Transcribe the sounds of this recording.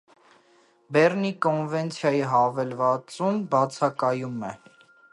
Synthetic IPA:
bɛɾnikɔnvɛnt͡sʰjɑjiɦɑvɛlvɑt͡sumbɑt͡sʰɑkɑjumɛ

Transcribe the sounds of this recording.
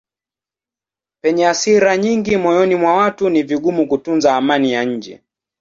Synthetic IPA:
pɛɲɛasiɾaɲiŋɡimɔjɔnimwawatuniviɠumukutunzaːmanijaɲ̩d͡ʒɛ̰

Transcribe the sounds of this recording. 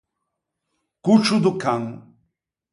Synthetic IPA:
kuʈ͡ʂud̪ukʰaŋ

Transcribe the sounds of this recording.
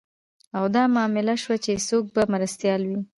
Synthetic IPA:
awd̪ɑmɑmɪlaʃwat͡ʃesok̚bamaɾast̪jɑlwi

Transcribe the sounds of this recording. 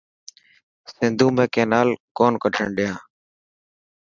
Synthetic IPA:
sɪnd̪ʱũːmẽːkẽːnaːlkoːnkəʈʰə̰ɳɖɪjãː

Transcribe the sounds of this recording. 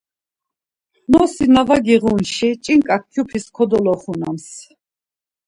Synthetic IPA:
nɔsinavaɡiʁunʃit͡ʃʼiŋkʼak̚ʰkʰjupʰiskʰɔd̪ɔlɔχuna̰ms

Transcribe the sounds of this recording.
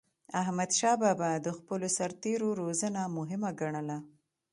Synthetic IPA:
aɦmad̪ʃɑbabad̪əxpəlosaɾt̪eɾoɾozənamʊɦɪmaɡaɳəla

